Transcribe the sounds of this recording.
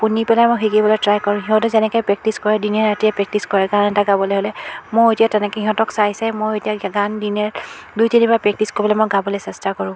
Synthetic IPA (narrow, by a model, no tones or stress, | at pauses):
punipɛlajmɔjxikibɔlɔtɹajkɔɹʊ̃ɦiɦɔtɔzɛnɛkɔjpɹɛk̚tiskɔɹɛdinɛɹatijapɹɛk̚tiskɔɹɛɡãnɛtaɡabɔlɛɦolɛmoetijatɛnɛkɛiɦɔ̃tɔksaisɛmojetiaɡandinɛɹ | dutinipapɹɛk̚tiskoɹibɔlɛmɔjɡabɔlɛsɛstakɔɹʊ̃